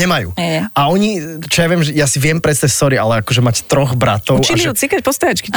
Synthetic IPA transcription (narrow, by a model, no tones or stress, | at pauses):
ɲɛmajṵːʔaɔɲit͡ʃɔjaʋɪɛmʒɛjasiʋɪɛmpɾɛst̪ɛsɔɾialɛakɔʒɛmact̪ɾɔɣbɾa̰t̪ɔʊt͡ʃimut͡sikac̚pɔst̪aɾat͡ʃki